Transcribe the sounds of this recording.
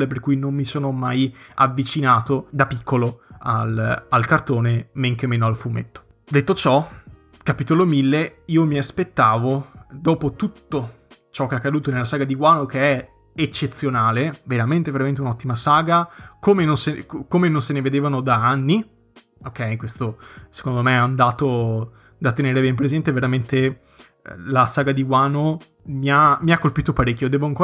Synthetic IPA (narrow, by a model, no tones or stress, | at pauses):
eperkujnommːisoːnomaja̰vːit͡ʃinaːt̪od̪apikʰːoloalalkart̪oːnemeŋkemeːnoalfumḛt̪ːo̥ | d̪et̪ːot͡ʃɔ | kapit̪olomilːeiːomiaspet̪ːaːvod̪ɔːpot̪ut̪ːo | t͡ʃɔkːeakːad̪uːt̪onelːasaːɡad̪iɡwaːnokeɛ | et͡ʃːet̪sːjonaːleveɾament̪eveɾamẽnt̪eunɔt̪ːimasaːɡakomenonsekomenonseneved̪eːvanod̪aanːi | okːɛjkwest̪ose̥kond̪omeaːnd̪aːt̪o | d̪at̪ːeneːɾebɛmpɾezɛnt̪eveɾament̪e | lasaːɡad̪iɡwaːno | miamiakːolpiːt̪opaɾekːod̪ɛːvoaŋkoː